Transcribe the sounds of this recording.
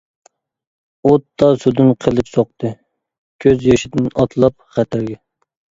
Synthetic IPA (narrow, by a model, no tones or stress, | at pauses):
ot̪ːɑsud̪ɪnqʰəlˠɪpsoq̚t̪ʰɨ | kʲʰøzjɑʃɪd̪ɪnɑt̪ʰlˠɑpχæt̪ʰɪɾɡʲɛ